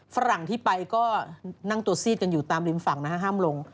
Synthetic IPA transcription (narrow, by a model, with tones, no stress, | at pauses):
fa˦˥ɾa˨˩ŋt̪ʰiː˥˩pa˧jkɔː˥˩na˥˩ŋt̪u˧ɐsiː˥˩t̪̚ka˧njuː˨˩t̪aː˧mli˧nfa˨˩ŋna˦˥kʰa˦˥ɦaː˥˩mlo˧ŋ